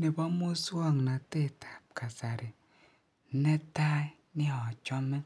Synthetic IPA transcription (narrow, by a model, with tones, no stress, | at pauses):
ni˨bɔ˦mo˦su˦ɔ˦˨ŋ˨na˨te˦˨tʰḁ˨p̚ka˨sa˨ɾi˨˦ | ne˦ta˦i˦ | ni˦ɔ˨t͡ʃɔ˦mɛ˦